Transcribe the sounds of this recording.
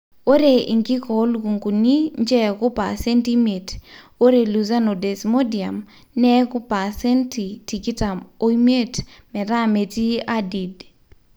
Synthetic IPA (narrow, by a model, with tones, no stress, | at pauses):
o˦ɾe˨ḭ˨ŋɡi˦kɔ˨˦lɡu˨ŋɡu˨ni˦ɲd͡ʒɛ˦kʊ˦pa̰˨sɛ˦nti˦me˨t | o˦ɾe˨lu˨za˦no˨de˨smo˦di˨a˨m | nɛ˦kʊ˦pa˨sɛ˦nti˨ti˨ki˦ta˨mo˦i˦me˦t | mɛ˨ɾa˦me˨ti˦a˦di˨d